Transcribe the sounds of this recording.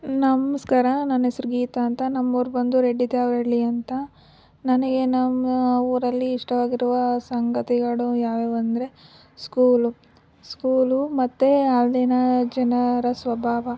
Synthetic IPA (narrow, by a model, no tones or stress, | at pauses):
nɐmɐskaːɾɐnɐnːesɾɐɡiːt̪aːnt̪ɐnɐmːoːɾbɐnd̪uɾeɖːit̪eɐʋɾɐɽliɐnt̪ɐ | nɐnɐɡe̞nɐmʋɐɾɐlːiːʂʈɐʋaːɡiɾuʋɐsɐŋɡɐt̪iɡɐɭujaːʋeʋɐnd̪ɾe̞ | skuːlu | skuːlumɐt̪ːeaːld̪eːnɐd͡ʒɐnɐɾɐsʋɐbʱaːʋɐ